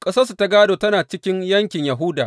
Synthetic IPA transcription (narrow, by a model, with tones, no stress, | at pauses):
kʼɐ˦sɐ˦su˨ta˦ɡaː˦doː˨tɐ˦naː˨t͡ʃɪ˦kʲɪ˦ɲjɐ˦ŋkʲɪ˨ɲjɐ˨ɦʊ˦daː˨